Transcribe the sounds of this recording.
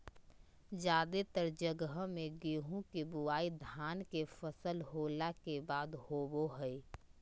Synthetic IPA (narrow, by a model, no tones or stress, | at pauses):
d͡ʒjaːd̪et̪əɾd͡ʒəɡəɦmẽɡeːɦũkebuaːid̪ʱaːnkefəsəlɦoːlakebaːd̪hoːboɦɛi